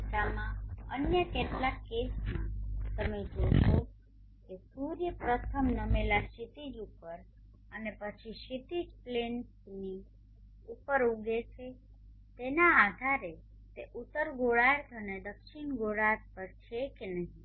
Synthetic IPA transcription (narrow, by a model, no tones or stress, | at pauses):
kamãə̰njəkeʈlakːesmãt̪əmed͡ʒoʃo | kesuɾjəpɾət̪ʰəmnəmelaʃit̪id͡ʒupəɾ | ənepət͡ʃʰiʃit̪id͡ʒplensni | upəɾuɡet͡ʃʰe | t̪enaːd̪ʱaɾe | t̪eʔut̪ːəɾɡoɭaɾt̪ʰəned̪əkʃinɡoɽaɾpəɾt͡ʃʰekenəɦĩ